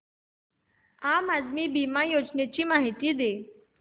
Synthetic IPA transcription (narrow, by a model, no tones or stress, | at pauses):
amad̪miːbimajod͡ʑnet͡ɕiːmaɦit̪iːd̪e